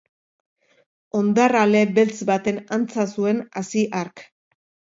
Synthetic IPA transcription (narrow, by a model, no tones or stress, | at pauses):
o̞nd̪arale̞be̞lt͡sbat̪e̞nant͡sasue̞nasiʔaɾk